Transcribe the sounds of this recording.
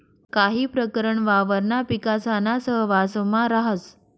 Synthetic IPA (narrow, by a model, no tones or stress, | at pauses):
kaɦiːpɾəkəɾəɳʋaʋəɾnapikasanasəɦʋasmaɾaɦət͡s